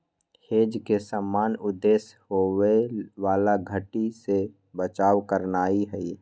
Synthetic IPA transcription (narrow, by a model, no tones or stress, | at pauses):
heːd͡ʒkesəmːaːnʊd̪ːeːshoweʋaːlaɡʱəʈise | bət͡ʃaːwkəɾnaːiɦɛi